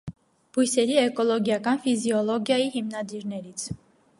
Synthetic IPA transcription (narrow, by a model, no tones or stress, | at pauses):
b̥ujsɛɾiɛkɔlɔɡjɑkɑnfiziɔlɔɡjɑjihimnɑd̪iɾnɛɾit͡sʰ